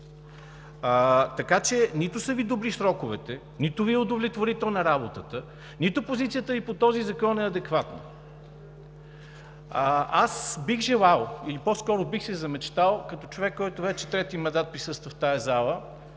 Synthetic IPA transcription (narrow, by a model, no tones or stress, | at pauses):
t̪ɐkat͡ʃɛnit̪ʊsəvid̪obɾisɾɔkʊvɛt̪ɛ | nit̪ʊviɛʊd̪ovlʲɛt̪voɾit̪ɛlˠnɐɾabot̪ət̪ə | nit̪ʊpozit̪siət̪əvipot̪ɔzizɐkɔnɛɐd̪ɛkvat̪nə̰ | asbiɣʒɛlˠalˠilipɔskɔɾʊbixsɛzɐmɛt͡ʃt̪alˠkɐt̪ɔt͡ʃovɛkːɔjt̪ʊvɛt͡ʃɛ̥t̪ɾɛt̪imɐ̃nd̪at̪̚pɾisɤst̪vəft̪ajɐzalˠə